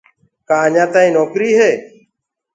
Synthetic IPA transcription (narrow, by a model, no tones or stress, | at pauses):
kãːəɲãːt̪aːĩːnɔːkɾiːɦeː